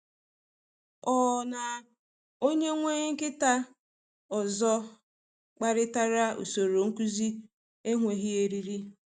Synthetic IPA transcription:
ɔ˨na˨ | o˦ɲe˦ŋʷe˦ɲ˦ŋ̩˦kɪ˦ta˦ | ɔ˨zɔ˦ | k͡pa˦ɾɪ˦ta˦ɾa˦ṵ˨so˨ɾo˨ŋ̩˦ku˦zi˦ | e˦ŋʷe˨ɦi˦e˨ɾi˦ɾi˦

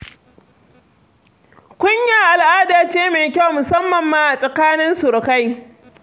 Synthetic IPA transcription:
kʷʊ˦ɲja˦˨ʔa˨lʔaː˦daː˨t͡ʃeː˦meː˨kʲa˦wmʊ˨sɐ˦mːɐ˨mːaː˦ʔa˨sʼɐ˨kaː˦nɪ˦nsʊ˨ɽka˦j

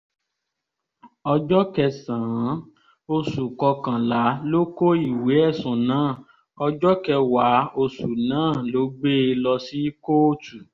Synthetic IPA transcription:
ɔ˧d͡ʒɔ˦kɛ˧sãː˨˦ | o˧su˨kɔ˧kã˨la˨˦lo˦ko˦i˦˨we˨˦ɛ˦˨sũ˨nãː˨˦˨ | ɔ˧d͡ʒɔ˦kɛ˧wa˨˦o˧su˨nãː˨˦˨lo˨˦ɡ͡be˦˧lɔ˧si˦ko˦o˦˨tu˨

